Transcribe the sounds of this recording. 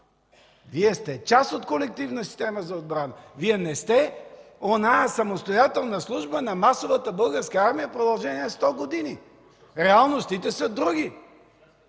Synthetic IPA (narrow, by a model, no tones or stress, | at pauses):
viɛst̪ɛt͡ʃasot̪kolɛk̚t̪ivnəsi̥st̪ɛməzɐod̪̚bɾanəviɛnɛst̪ɛ | onaɛsɐmost̪ojat̪ɛlˠnɐslˠuʒbənɐmasovət̪əbɤlˠɡəɾskəaɾmijəpɾod̪ɐlˠʒɛniɛst̪ɔɡod̪ini | ɾɛalˠnost̪it̪ɛsəd̪ɾuɡ̟i